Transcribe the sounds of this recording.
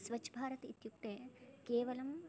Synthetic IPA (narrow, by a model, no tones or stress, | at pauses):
sʋɐt͡ʃʰːbʱaːɾɐt̪it̪juk̚t̪ekeːʋɐlɐm